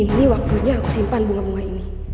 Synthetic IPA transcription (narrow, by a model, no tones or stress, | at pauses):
inːiwak̚t̪uɲaːkusimpanbuŋabuŋaini